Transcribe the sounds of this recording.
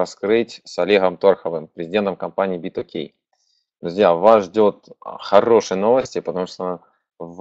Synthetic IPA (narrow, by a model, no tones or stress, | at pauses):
ɐskɾɨtʲsɐlʲeɣəmt̪orxəvɨmpɾʲɪzʲɪdʲent̪əmkɐmpanʲɪiːbʲit̪okʲʰḛj | d̪ɾʊzʲjavasʐdʲo̞t̪̚xɐɾo̞ʂɨjəno̞vəsʲtʲɪpət̪ɐmuʂt̪o | v